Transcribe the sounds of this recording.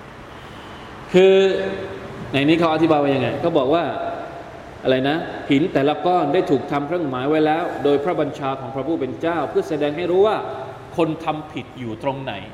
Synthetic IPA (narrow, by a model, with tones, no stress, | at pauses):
kʰɯː˧ | na˧jniː˦˥kʰa˦˥wa˧t̪ʰi˦˥baː˧jwa˦˥˩ja˧ŋa˧jkɔː˥˩bɔː˨˩k̚waː˥˩ | ʔa˧ɾa˧jna˦˥pʰi˩˦nt̪ɛː˨˩la˦˥kɔː˥˩ndaː˥˩jt̪ʰuː˨˩k̚t̪ʰa˧mkʰɾɯ˥˩əŋmaː˩˦jwa˦˥jlɛː˦˥wdoː˧jpʰɾa˦˥˩ba˧nt͡ɕʰaː˧kʰɔː˩˦ŋpʰɾa˦˥pʰuː˥˩pe˧nt͡ɕaː˥˩wpʰɯ˥˩ɐsa˧dɛː˧ŋɦa˥˩jɾuː˦˥waː˥˩ | kʰo˧nt̪ʰa˧mpʰi˨˩t̪̚juː˨˩t̪ɾo˧ŋna̰˩˦j